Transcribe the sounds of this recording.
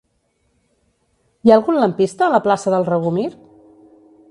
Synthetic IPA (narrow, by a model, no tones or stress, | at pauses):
jaəlˠɣunləmpist̪əːləplasəðəlˠrəɣumiɾ